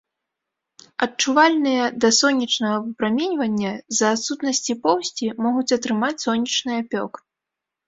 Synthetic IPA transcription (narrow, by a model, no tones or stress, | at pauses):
ɐtt͡ʂuvalʲnɨjɐd̪ɐsɔnʲːit͡ʂnɐɣɐɨpɾamʲɛnʲvɐnʲːɐzɐːt̪sut̪nɐsʲt͡sʲipɔwsʲt͡sʲimɔɣut͡sʲɐt̪ɾɨmat͡sʲsɔnʲːit͡ʂnɨjɐpʲɔ̰k